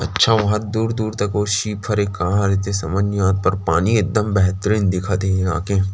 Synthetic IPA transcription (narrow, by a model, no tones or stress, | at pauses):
ɐtːʃʰaʋɐɦət̪̚d̪uːɾd̪uːɾt̪ɐkoːʃiːpʰɐɾekaːɦaɾɛt̪esɐməd͡ʒnɪjaːt̪̚pɐɾpaːniek̚d̪əmbɛɦt̪ɾĩːnd̪ɪkʰat̪ea̰ːkẽ